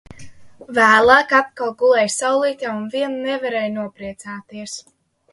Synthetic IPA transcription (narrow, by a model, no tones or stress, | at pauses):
væːlˠaːkat̪̚kalˠɡulˠɛjsawlˠiːt̪ʲjaunviɛnːɛvaɾɛjnuɔpɾiɛt̪saːt̪iɛs